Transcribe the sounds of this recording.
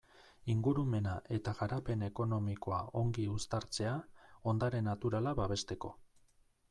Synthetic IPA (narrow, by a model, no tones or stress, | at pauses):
iŋɡuɾume̞naʔe̞t̪aɣaɾape̞ne̞ko̞no̞miko̞ao̞ŋɡiust̪aɾt͡se̞ao̞nd̪aɾe̞nat̪uɾalaβaβe̞st̪e̞ko̞̰